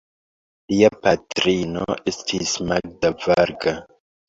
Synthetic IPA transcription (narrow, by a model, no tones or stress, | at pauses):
liapatɾino̰estʰismaɡ̚davaɾɡa